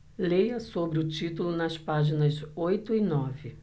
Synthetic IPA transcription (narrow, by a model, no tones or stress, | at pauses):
lejɐsobɾɪʊt͡ʃit̪ulʊnɐspaʒinɐzojt̪ʊinɔvɪ